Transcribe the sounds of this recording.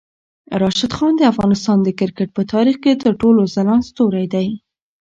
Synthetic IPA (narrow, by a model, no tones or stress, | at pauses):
ɾɑʃad̪xɑnd̪əafɣɑnɪst̪ɑnd̪əkɪɾkəʈ̚pət̪ʰɑɾixket̪əɾʈolozalɑnst̪oɾajd̪aj